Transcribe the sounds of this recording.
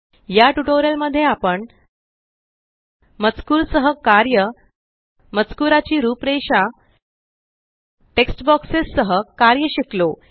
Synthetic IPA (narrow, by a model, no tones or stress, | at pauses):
jaʈuʈoɾjəlməd̪ʱːjeapəɳ | mət͡skuːɾsəɦəkaɾjə | mət͡skuɾat͡ɕiːɾupɾeɕa | ʈeksʈbɔksesːəɦəkaɾjəɕiklo